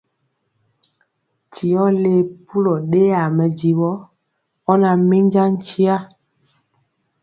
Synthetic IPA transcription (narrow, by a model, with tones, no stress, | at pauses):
tʰi˨ɔ˦le˨˦pʰu˦lɔ˨ɗe˦a˨mɛ˨d͡ʒi˨wɔ˦ | ɔ˦na˨mi˦ɲd͡ʒa˦ŋ̩˦t͡ʃi˦a˦